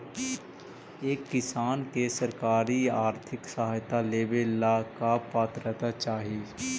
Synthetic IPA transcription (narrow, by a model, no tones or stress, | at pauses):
eːkːɪsaːnkesəɾkaːɾiaːɾt̪ʰɪksəɦajt̪aleːbelːakapaːt̪ɾət̪at͡ʃaːɦie